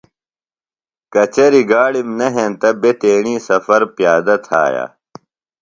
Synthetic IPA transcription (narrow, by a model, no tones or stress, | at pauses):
kɐt͡ɕɐɾiɡaːɽimnɐɦẽnt̪ɐbet̪eːɽ̃iːsɐfɐɾpjaːd̪ɐt̪ʰa̰ːja̰ː